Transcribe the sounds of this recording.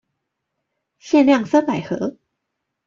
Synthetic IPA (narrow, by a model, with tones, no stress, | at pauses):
ɕjɛ˥˧nljɑ˥˩ŋsa˥npa˨˩ɪxɤ̰˧˥